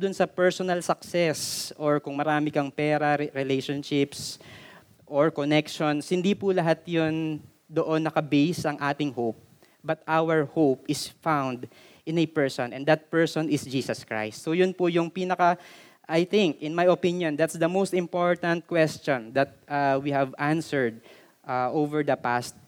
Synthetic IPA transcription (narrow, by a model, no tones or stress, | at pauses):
d̪ʊnsɐpɛɹsɔnɐlsɐksɛsʔoɹkʊŋmɐɾaːmɪkɐŋpɛːɾɐɾɛlejʃonʃɪps | ʔoɹkonɛkʃonshɪnd̪ipʊlɐɦat̪jʊn | d̪oʔonːɐkɐbejsʔɐŋʔaːt̪ɪŋhowp̚ | bɐt̪ʔawɛɹhowp̚ɪsfãwnd̪ | ʔɪ̃nɛpɛɹsɔ̃nʔɛ̃nd̪ɐt̪̚pɛɹsɔnɪsd͡ʒiːsɐskɹa̰jst̪sojʊnpʊjʊŋpiːnɐkɐ | ʔajθɪ̃ŋkʔɪ̃nmajopĩnjɔ̃nd̪at̪sd̪ɐmowst̪ɪ̃mpoɹt̪ɐnt̪̚kwɛst͡ʃɔ̃nd̪ɐt̪̚ʔawihɛvãnsɛɹd̪̚ | ʔaʔovɛɹd̪ɐpast̪̚